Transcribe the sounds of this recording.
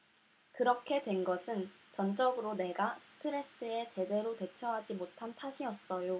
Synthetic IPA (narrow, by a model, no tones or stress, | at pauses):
kɯɾʌkʰe̞dwe̞nɡʌsʰɯnt͡ɕʌnt͡ɕ͈ʌɡɯɾone̞ɡasʰɯ̥tʰɯɾe̞s͈ɯe̞t͡ɕe̞de̞ɾotwe̞t͡ɕʰʌɦad͡ʑimotʰantʰaɕʰiʌs͈ʌjo